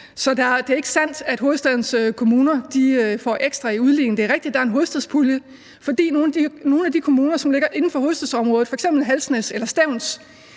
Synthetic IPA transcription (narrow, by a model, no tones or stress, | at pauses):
sɒ̽d̥ɑd̥e̝æɐeɡ̥ə̥sæn̰d̥æd̥ɦo̝ːðˠsd̥æðˠn̩søkʰo̝muːnɐd̥iøfɒ̰ʔeɡ̥sd̥ʁɑ̈iuðˠlḭːŋ̩d̥e̝ɐʁɛɡ̥̚d̥id̥d̥ɑ̈æɐenɦo̝ːsd̥æðˠspʰuljə | fɒ̽d̥ḭːno̝ːnno̝ːn̩æd̥ikʰo̝muːnɐsɒ̽mle̝ɡ̥ɐʔe̝nn̩fɒ̽ɦoðˠsd̥æðˠsɒ̽mʁɔ̽ːð̩ˠfɒ̽eɡ̥sem̰b̥l̩ɦælsneselɐsd̥æʊ̰ns